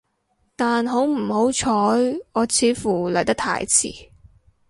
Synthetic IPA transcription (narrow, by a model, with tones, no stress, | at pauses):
t̪aː˨nɦo˨˥wm̩˨˩ho˨˥wt͡ʃʰɔː˨˥jɔː˨˧t͡sʰiː˨˧˥fuː˨˩lɐ˨˩jt̪ɐ˥k̚t̪ʰa̰ː˧˩jt͡sʰḭː˨˩